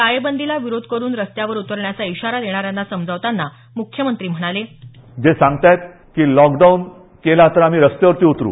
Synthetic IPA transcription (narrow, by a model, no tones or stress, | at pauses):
kajəbənd̪ilaʋiɾod̪ʱkəɾuːnɾəst̪jaʋəɾut̪əɾɳjat͡saiɕaɾad̪eɽ̃aɾjanːasəmd͡zʱəaʋt̪anːa | mukʰːjəmənt̪ɾiːm̤əɽ̃ale | d͡ʑesãŋɡt̪ajt̪̚ | kiːlɔkɖaun | kelat̪əɾam̤iːɾəst̪jeʋəɾt̪iːut̪ɾṵː